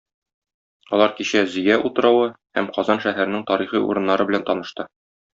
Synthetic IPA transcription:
ɒlˠɑɾkiɕæzĭjæʔut̪ɤ̆ɾɑwɤhæmqɒzɑnʃæɦæɾɘ̆nɘŋt̪ɒɾiχiṵɾɤ̆nːɑɾɤbɘ̆lænt̪ɒnɤ̆ʃt̪ɤ

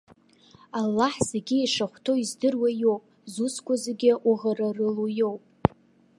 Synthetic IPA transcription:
alːaħz̥eɡʲɪiʂaχʷtʰo̞izdɨrwajo̞wpʼ | zuskʷʰazeɡʲɪʔuʁararɨlujo̞wpʼ

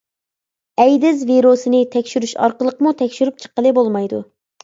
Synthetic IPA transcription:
ɛjd̪ɪzviɾosɨnɪt̪ʰɛkʲʃyɾyʃɑ̰ɾqəlˠəqmut̪ʰɛkʲʃyɾyp̚t͡ʃʰə̥qːəlˠɨbolˠmɑjd̪ṵ

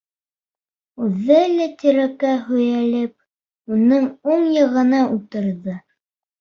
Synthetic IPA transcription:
ʉðːælæt̪iɾækæɦɵ̆jælɘp̚ | unɤŋuɴjɤ̆ʁɤ̆nɑʔulˠt̪ɤ̆ɾðɤ

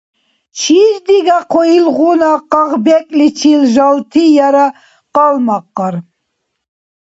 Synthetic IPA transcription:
t͡ʃʰiʒd̪iɡaqʰɔjilʁunaqɑʁbɛkʼlit͡ʃʰilʒɑlt̪ʰijaɾa | qɑlmɑqːɑɾ

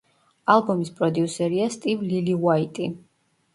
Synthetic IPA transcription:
alˠbɔmispʼɾɔd̪iusɛɾiast̪ʼivliliwait̪ʼi

